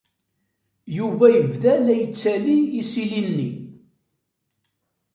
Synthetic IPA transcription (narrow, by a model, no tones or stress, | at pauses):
juvæjəvðælæjət͡sːæliisilinːḭ